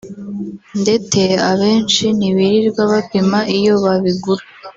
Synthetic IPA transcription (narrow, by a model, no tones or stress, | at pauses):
nde̞t͡se̞aβe̞ːnt͡ʃiniβiɾiɾɡwaβapimaʔijo̞βaβiɡuɾa